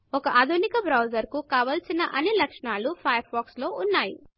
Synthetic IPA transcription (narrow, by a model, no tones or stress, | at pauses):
ɔkɐʔaːd̪ʱunikɐbɾɐwd͡ʒɐɾkukaːʋɐlsinɐʔɐnːilɐkʂɳaːlupʰɐjɐɾpaːkslo̞ːʔunːaːjḭ